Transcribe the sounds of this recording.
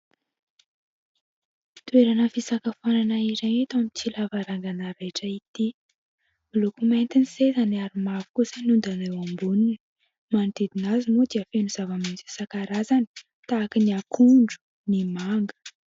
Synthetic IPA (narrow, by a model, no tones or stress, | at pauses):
t̪ueɾanəfisakafananaiɾaŋet̪amit͡silavaɾaŋɡanaɾeʈ͡ʂəit̪i | milokument̪inisezaniaɾimavu̥kusanund̪anewambunini | mant̪ed̪inazimud̪iafenuz̥avamint͡si̥sakaɾazani̥ | t̪aːkiniakʰuɳɖ͡ʐu̥ | nimaŋɡə̥